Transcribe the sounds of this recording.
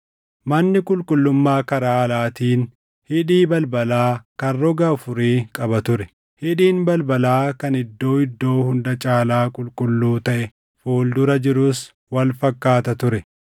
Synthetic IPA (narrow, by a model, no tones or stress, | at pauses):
mɐnːɪkʼʊlkʼʊlːʊmːaːkɐɾaːɐlaːt̪iːn | hɪᶑiːbɐlbɐlaːkɐrːɔɡɐɐfʊɾiːkʼɐbɐt̪ʊɾɛ | hɪᶑiːnbɐlbɐlaːkɐnɪd̪ːo̞ːɪd̪ːo̞ːhʊnd̪ɐt͡ʃʼaːlaːkʼʊlkʼʊlːuːt̪ɐʔɛ | fuːld̪ʊɾɐd͡ʒɪɾʊs | wɐlfɐkːaːt̪ɐt̪ʊɾɛ